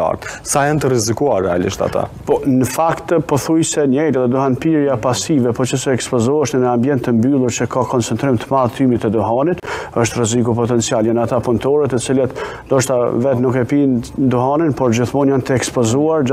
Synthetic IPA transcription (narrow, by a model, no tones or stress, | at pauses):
a̰ɾt̪sajant̪əɾizikuaɾːɛalḭʃt̪a̰t̪a̰pɔnəfakt̪pɔθujsɛɲɛjɾaðɛd̪uhanpiɾjapasivɛpɔt͡ʃəsɛɛkspɔzɔəʃnənəambjɛnt̪ːəmbylˠuɾt͡ʃəkʰakɔnt͡sɛnt̪ɾimt̪əmaðt̪ʰymit̪əd̪uɦanit̪əʃt̪rɛzikupɔt̪ɛnt͡sialjanat̪apunt̪ɔɾɛt̪ət͡silat̪nd̪ɔʃt̪avɛt̪nukɛpind̪uɦaninpɔɾd͡ʑiθmɔnjant̪əɛkspɔzuaɾ